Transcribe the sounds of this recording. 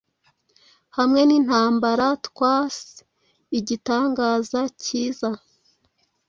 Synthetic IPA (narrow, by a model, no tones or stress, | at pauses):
hamŋe̞nin̥haːmbaɾatkwaːs | iɟitaːŋɡaːzaciːza